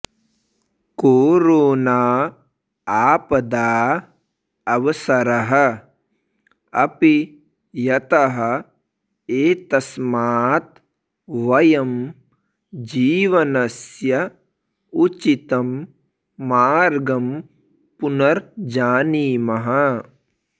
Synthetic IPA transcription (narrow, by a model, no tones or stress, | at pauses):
koːɾoːnaː | aːpɐd̪aː | ɐʋɐsɐɾɐɦɐ̆ | ɐpi | jɐt̪ɐɦɐ̆ | eːt̪ɐsmaːt̪̚ | ʋɐjɐm | d͡ʒiːʋɐnɐsjɐ | ut͡ʃit̪ɐmː | aːɾɡɐm | punɐɾd͡ʒaːniːmɐɦɐ